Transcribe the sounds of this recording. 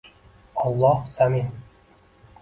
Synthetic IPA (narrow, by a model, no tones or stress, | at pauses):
ɑlˠːɑhsamin